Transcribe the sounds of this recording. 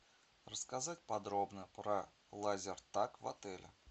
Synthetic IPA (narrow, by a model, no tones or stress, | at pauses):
rəskɐzatʲpɐd̪ɾobnəpɾɐ | lˠazʲɪrt̪akvɐ̰t̪ɛlʲʔɪ̰